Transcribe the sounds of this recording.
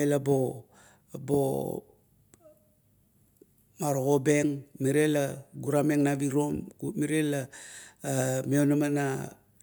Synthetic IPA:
elabo | bo | maɾoɣobe̞ŋmiɾelaɡuɾame̞ŋnabiɾomkumiɾela | meonamana

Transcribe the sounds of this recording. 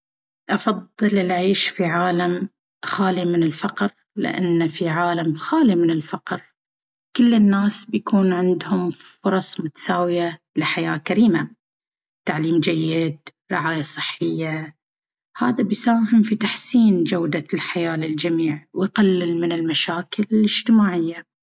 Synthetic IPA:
ʔɑfɑðˤːɨlɪlʕiːʃfiʕaːlam | xaːlimɪnɪlfɑqɾ | lɪ̰ʔa̰nːfiʕaːlamxaːlimɪnɪlfɑqɾ | kɪlːɪnːaːsbjakuːnʕɪnd̪hʊmfʊɾˤɑsˤmʊt̪ḁsaːwɪja | lɪħajaːkaɾiːma | t̪aʕliːmd͡ʒajːɪd̪̚ | ɾɪ̰ʕaːjasˤɨħːɪjːa | haːðabjsaːhɪmfit̪aħsiːnd͡ʒawd̪alħajaːlɪld͡ʒamiːʕwɪjqalːɪlmɪnɪlmaʃaːkɪlɪlɪd͡ʒ̥t̪ɪmaːʕɪjːa

